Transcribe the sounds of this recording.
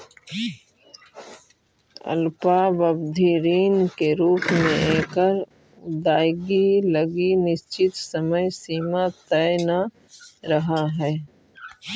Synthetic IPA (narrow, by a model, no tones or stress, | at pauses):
ɐ̰lpabəbd̪ʱiɾiːnkeɾuːpmẽẽːkəɾ | d̪aːjɡiləɡinɪʃt͡ʃɪt̪səməjsiːmat̪əjna | ɾɐɦaɦɛː